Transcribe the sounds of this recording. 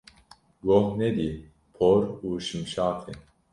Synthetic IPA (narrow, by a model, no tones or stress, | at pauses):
ɡohnɛd̪i | pʰoɾuːʃɨmʃaːtʰin